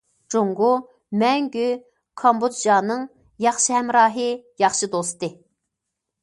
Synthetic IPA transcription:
d͡ʒoŋɡu | mɛŋɡʲy | kʰɑmbud̪d͡ʒɑːnɨŋ | jɑχʃɨhɛmɾɑːɦɨjɑχʃɨd̪ost̪ɨ

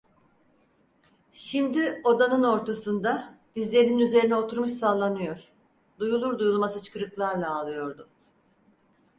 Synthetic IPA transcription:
ʃimd̪io̞d̪anɯno̞ɾt̪ʰasɯnd̪ad̪̥izlʲe̞ɾininyze̞ɾinɛo̞t̪ʰuɾmɯʃsaːlˠːanɯjo̞ɾ̥ | d̪ujulˠuɾd̪ujulˠmasɯt͡ʃʰɯ̥kɯɾɯklˠaɾlˠaːlˠɯjo̞ɾd̪ʊ

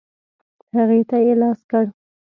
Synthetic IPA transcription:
haɣet̪ajelɑskəɽ

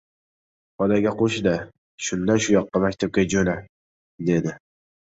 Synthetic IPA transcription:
ɒd̪aɡʲaqʰoʃɪd̪a | ʃʊnd̪aʃʊjɒqːɑmakʲt̪ʰap̚kʲad͡ʒona | d̪e̞d̪ɪ

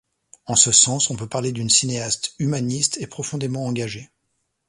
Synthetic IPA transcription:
ɑ̃səsɑ̃sɔ̃pøpaʁled̪ynsineast̪ymanist̪epχɔfɔ̃d̪emɑ̃ːɡaʒe

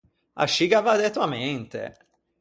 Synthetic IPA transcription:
a̰ʃːiɡavad̪ɛt̪wament̪ḛ

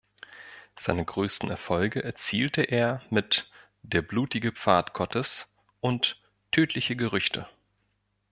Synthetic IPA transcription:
z̥aɪnəɡʁøːstn̩ɛɐfɔlɡəʔɛɐt͡siːltəʔeːɐmɪt | d̥eːɐbluːtɪɡəp͡faːtɡ̥ʰɔtʰəs | ʔʊntʰː | øːtʰlɪçəɡəʁʏçtʰə̰

